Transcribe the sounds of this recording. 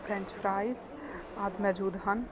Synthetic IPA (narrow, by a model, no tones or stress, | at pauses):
fʰɾɛ̃nt͡ʃpʰɾajz | ad̪mɛd͡ʒuːd̪ɦən